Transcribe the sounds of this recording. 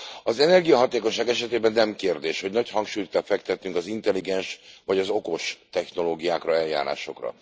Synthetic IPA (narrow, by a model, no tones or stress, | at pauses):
ɒzɛnɛrɡijɒɦɒt̪eːkoɲʃaːɡɛʃɛt̪eːbɛnːɛmkeːrd̪eːʃho̞ɟnɒchɒŋkʃuːjt̪kɛlfɛkt̪ɛt̪ːyŋkɒzint̪ɛliɡɛnʃʋɒɟɒzo̞ko̞ʃt̪ɛxno̞loːɡijaːkrɒɛlja̰ːɾa̰ːʃo̞̰krɒ̰